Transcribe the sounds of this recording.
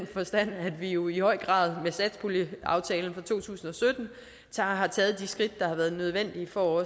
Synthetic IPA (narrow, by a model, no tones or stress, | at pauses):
nfɒ̽sd̥æn̰æd̥ʋijo̝ihɒ̽ɪ̰ɡ̥ʁɑ̈ːð̞ˠmesæd̥spʰoliɑ̈ʊt͡sʰɛːln̩fɑ̈t͡sʰo̝̰ːt͡sʰṵːsn̩ɒ̽sød̥n̩ | t͡sʰɑɦɑ̈t͡sʰɛːð̞̩ˠd̥isɡ̥ʁid̥d̥ɑ̈hɑ̈ʋæːɐð̞ˠnøð̞ˠʋen̰d̥iəfɒɒ